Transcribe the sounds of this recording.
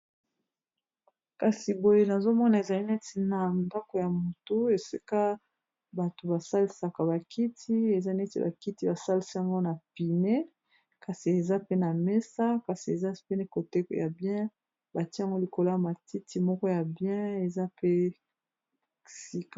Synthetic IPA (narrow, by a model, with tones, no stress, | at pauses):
ka˨si˨bo˨je˨na˨zo˦mɔ˦na˨e˨za˨li˦ne˦ti˨na˨nda˦ko˨ja˨mo˨to˦e˨si˦ka˦ | ba˨to˨ba˨sa˦li˨sa˨ka˨ba˨kʰi˦tʰi˦e˨za˦nɛ˦tḭ˨ba̰˨ki˦ti˦ba˨sa˦li˨si˦a˨ŋɡo˦na˨pi˨ne˦ | ka˨si˨e˨za˦pe˦na˨me˦sa˦ka˨si˨e˨za˦pe˦ne˦˨ko˨te˦kja˨bjɛ̃˦ | ba˨ti˦a˨ŋɡo˦li˨ko˨la˦a˨ma˨ti˦ti˨mɔ˦kɔ˦ja˨bjɛ̃˦e˨za˦pe˦ | si˦ka˨